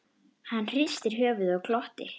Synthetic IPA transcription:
hanːr̥ist̪ɪɾɦœːvʏðaɣkʰlɔht̪ɪ̰

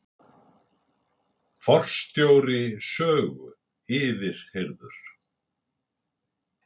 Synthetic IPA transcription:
fɔr̥st̪joːwɾɪsœːɣʏ̰ | ɪːvɪɾ̥heɾðʏɾ̥

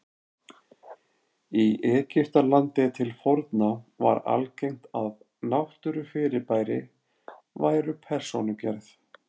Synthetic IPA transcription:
iʔɛːcɪr̥t̪alant̪ɪt̪ʰɪlfɔɾt̪nava̰ɾa̰lcejŋ̥t̪að | nawht̪ʏɾʏfɪːɾɪɾpaːjɾɪ | vajɾʏpʰɛr̥sonʏcɛɾθ

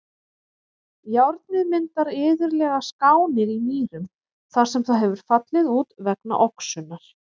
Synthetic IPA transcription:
jawɾt̪nɪðmɪnt̪aɾɪːðʏɾlɛɣaskaːwnɪɾimiːɾʏm | θaɾ̥sɛmθaðɦɛvʏɾ̥fat̪lɪðuːt̪vɛkna̰ʔɔksʏnːaɾ̥

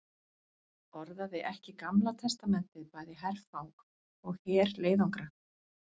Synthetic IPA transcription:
ɔɾðaðɪʔɛhcɪkamlat̪ʰɛst̪amɛn̥t̪ɪðpaːjðɪɦɛɾfawk | ɔɣhɛːɾleːjðawŋkɾa

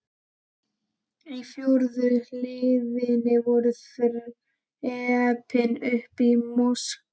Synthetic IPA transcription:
ifjuɾðʏlɪðɪnɪvɔɾʏfɪɾɪ | ɛapʰɪnʏhpimɔsk

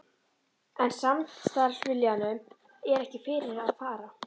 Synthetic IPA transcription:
ɛnsamt̪st̪aɾ̥svɪljanʏ | ɛɾɛhcɪfɪɾɪɾaðfaːɾa

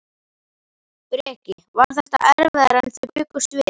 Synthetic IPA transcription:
pɾɛhcɪ | vaɾ̥θɛht̪a̰ʔɛɾvɛðɾanθɛpʏːkʏst̪vɪ

